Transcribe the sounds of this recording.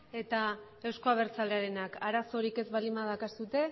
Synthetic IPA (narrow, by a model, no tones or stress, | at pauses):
e̞t̪a | e̞wsko̞aβ̞e̞ɾt͡saleaɾe̞nakaɾaso̞ɾike̞zβalimaðakasut̪e̞